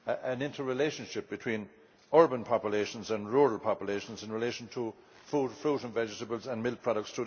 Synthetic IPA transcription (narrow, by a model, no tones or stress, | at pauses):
ʔə̃nɪ̃ntʰə˞ɹɪleʃə̃nʃɪp̚b̥ɪtʰw̥ĩn | ɔɹbə̃npʰɑpjəleʃə̃nzə̃nɹuːɹəlˠpʰɑpjəleʃə̃nzɪ̃nɹɪleɪʃə̃n̩tʰə | fudfɹuɾə̃nvɛd͡ʒɪɾəbəlˠzə̃nmɪl̚pʰɹ̥ɑɾək̚tstʰə